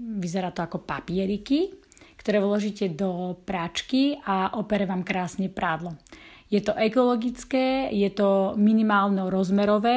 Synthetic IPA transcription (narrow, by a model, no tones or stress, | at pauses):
ʋizɛɾaːt̪ɔakɔpapɪɛɾiki | kt̪ɔɾɛːʋlɔʒiːcɛd̪ɔpɾat͡ʃkiaʔɔpɛɾɛʋaːmkɾaːsɲɛpɾaːd̪lɔ | jɛt̪ɔʔɛkɔlɔɡit͡skɛːjɛt̪ɔminimaːlnɛɔɾɔzmɛɾɔʋɛː